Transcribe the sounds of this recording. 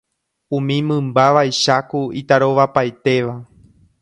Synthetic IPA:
ũmĩmɨ̃mbaʋajʃakuit̪aɾo̞ʋapajt̪e̞ʋa

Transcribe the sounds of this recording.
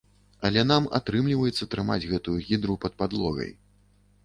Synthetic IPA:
ɐlʲɛnama̰t̪ɾɨmlʲivɐjɛt̪sːɐt̪ɾɨma̰d͡zʲɣɛt̪ujuɣʲid̪ɾupɐt̪̚pad̪lˠɔɣɐ̰j

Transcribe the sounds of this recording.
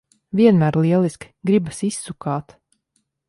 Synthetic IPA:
viɛnmæːɾlˠiɛlˠisk | ɡɾibasisːukaːt̪

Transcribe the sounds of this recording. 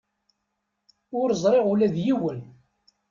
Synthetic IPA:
ʊɾəzˤɾˤeʁulæðjiwən

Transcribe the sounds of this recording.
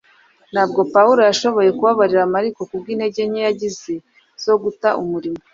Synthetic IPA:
n̥aːb̚ɡo̞pauɾo̞jaʃo̞βo̞je̞kuβaβaɾiɾamaɾiko̞kub̚ɡiːn̥e̞ɟe̞ɲejaɟize̞ | z̥o̞ɡutaʔumuɾimo

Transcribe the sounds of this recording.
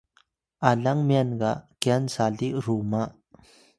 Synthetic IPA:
ʔalɐŋmianɡaʔkɛansaliʔrumaʔ

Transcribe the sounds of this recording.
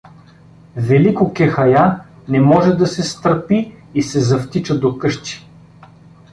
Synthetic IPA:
vɛlikʊkɛxɐja | nɛmɔʒɛd̪ɐsɛst̪əɾpiisɛzɐft̪it͡ʃəd̪okɤʃt̪i̥

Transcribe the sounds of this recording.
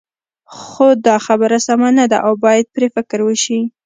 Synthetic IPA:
xod̪ɑxabəɾasamanad̪a̰ʔawbɑjad̪̚pɾefɪkɾwəʃi

